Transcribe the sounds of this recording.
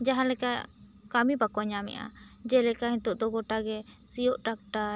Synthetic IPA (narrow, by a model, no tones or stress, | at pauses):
d͡ʒaɦãlɛkaʔ | kamibakɔɲamɛ̰ʔa̰ | d͡ʒɛlɛkaɦĩt̪ɔʔd̪ɔɡɔʈaɡɛ | sijɔʔʈak̚ʈaɾ